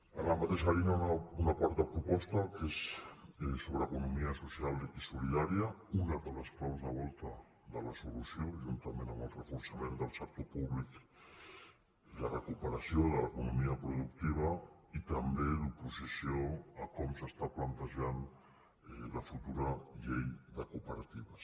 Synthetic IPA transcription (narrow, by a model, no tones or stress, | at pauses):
əlamat̪eʃaɾinaunakwaɾt̪apɾupɔst̪akes | soβɾəːkunumiəsusjalisuliðaɾiaunaðələsklawzðəβɔlˠt̪ɐ | ðələsulusjoʒunt̪amẽnəməlrəfuɾsamẽnd̪əlˠsak̚t̪opuβlik | ðərəkupəɾasjoðələkunumiapɾuðukt̪iβɐit̪ambeðupuzisjoakɔmsəst̪aplant̪əʒan | ləfut̪uɾaʎejd̪əkupəɾat̪iβas